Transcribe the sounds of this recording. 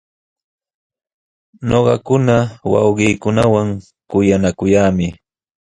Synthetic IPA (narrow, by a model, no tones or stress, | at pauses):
ɲoɢɑkʊnawɑ̰wɢiːkʊnawaŋ | kʊjanakʊjaːmɪ